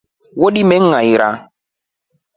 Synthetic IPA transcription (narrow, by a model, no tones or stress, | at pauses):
woɗimɛŋãiɾa